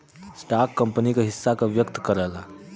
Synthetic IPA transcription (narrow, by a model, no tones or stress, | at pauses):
sʈakːəmpənikaɦisːakaʋjəkt̪əkəɾala